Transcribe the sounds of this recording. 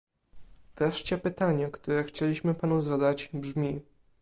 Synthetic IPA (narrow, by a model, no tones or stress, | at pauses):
vɾɛʂt͡ɕɛpɘt̪aɲɛkt̪uɾɛxt͡ɕɛlʲiɕmɘpanuzad̪ad͡ʑbʐmʲi